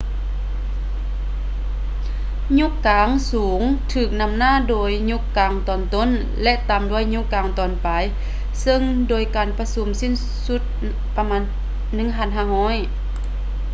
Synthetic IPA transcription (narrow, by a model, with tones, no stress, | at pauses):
ɲu˧˥kːaː˨˧˦ŋsuː˨˦ŋt̪ʰɯː˧˩k̚na˧˥˩mnaː˧˥˨doː˨jɲu˧˥kːaː˨˧ŋt̪ɔː˨˩nt̪o˧˥˨n | lɛ˧˥ʔt̪aː˨˩mdu˧˥ə˨jɲu˧˥kːaː˨ŋt̪ɔː˨npa˨j | sɤ˧ŋdoː˨˩jkaː˨˩npa˧su˨˦msi˧˥˨n | su˧˥t̪̚ | pa˧maː˧˥nː | ɯ˧˥˨ŋɦʰaː˧˥˨nɦaː˧˩˨hɔː˧˥˨j